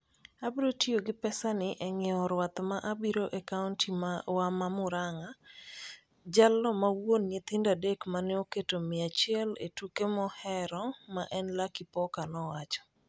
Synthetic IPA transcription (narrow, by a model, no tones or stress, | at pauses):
abiɾotioɡɪpɛsanɪʔɛŋɪɔɾwat̪maʔabiɾoʔekaʊntimawamamʊɾaŋa | d͡ʒalɔmawonːet̪ɪndadekmanɪoketomɪat͡ʃɪɛlḛtukemɔhɛɾɔmaʔɛnlakipɔkanɔwat͡ʃɔ̥